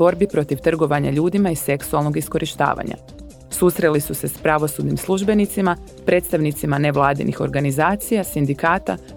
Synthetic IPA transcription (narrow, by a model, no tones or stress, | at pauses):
o̞ɾbipɾo̞t̪iʋt̪r̩ɡo̞ʋaɲa̰ʎuːd̪imaise̞ksualnoɡisko̞ɾʔiʃt̪a̰ːʋa̰ɲa̰ | susɾe̞lisuse̞spɾaʋo̞sud̪nimslˠuʒbe̞nit̪sima | pɾʔe̞ːt̪st̪aʋnit̪simane̞ʋlˠaːd̪ḭnʔixo̞̰ɾɡanizaːt̪sijasind̪ikaːt̪a̰